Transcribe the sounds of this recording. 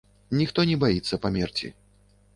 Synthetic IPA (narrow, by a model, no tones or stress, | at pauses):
nʲixt̪ɔnʲɛbajit̪sːɐpamʲɛrt͡sʲḭ